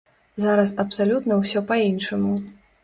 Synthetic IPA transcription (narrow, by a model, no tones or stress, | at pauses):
zaɾɐsɐpsalʲut̪nɐwsʲɔpainʂɐmu